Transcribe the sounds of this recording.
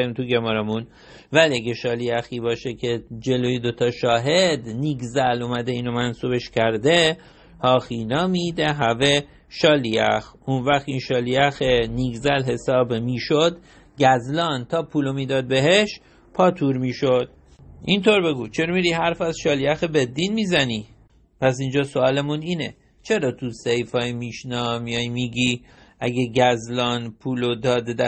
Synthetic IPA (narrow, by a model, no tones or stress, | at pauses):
imt̪ʰuɟemɒːɾemun | væliæɡeʃɒːliæxiːbɒːʃecʰed͡ʒe̞loːjed̪o̞t̪ʰɒːʃɒːɦed̪niːɡzælumæd̪eiːnomænsuːbe̞ʃcʰæɾd̪e | hɒːxiːnɒːmid̪eɦæve | ʃɒːliæ̰xunvæxt̪inʃɒːliæxeniɡzælɦe̞sɒːbmiːʃod̪ | ɟæzlɒːnt̪ʰɒːpʰuːlomiːd̪ɒːd̪̚be̞ɦeʃ | pʰɒːt̪ʰuːɾmiːʃod̪̥̚ | ʔint̪ʰoɾbe̞ɡuːt͡ʃʰeɾmiɾiːhæɾfæzʃɒːliæxebed̪ːinmiːzæniː | pʰæs̬ind͡ʒɒːsoɒːlemuniːnḛ | t͡ʃʰe̞ɾɒːt̪ʰusejfɒːjmiʃnɒːmijɒjmiːɡi | ʔæɟeɟæzlɒːnpʰuːlod̪ɒːd̪ed̪æ